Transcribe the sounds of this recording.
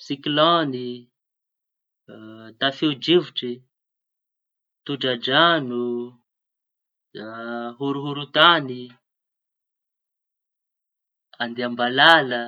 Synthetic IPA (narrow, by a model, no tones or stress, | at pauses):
sikilɔni | t̪afeud͡ʒivuʈ͡ʂi | t̪uɖ͡ʐad͡ʒanu | ɦuɾuɦuɾut̪ani | and̪iambalalə